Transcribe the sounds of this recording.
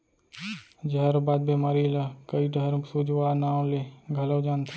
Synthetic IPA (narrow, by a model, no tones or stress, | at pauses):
d͡ʒəɾbaːd̪̚bemaːɾilakəiɖəɾsud͡ʒwaːnaːw̃leɡʱələwd͡ʒaːnt̪ʰa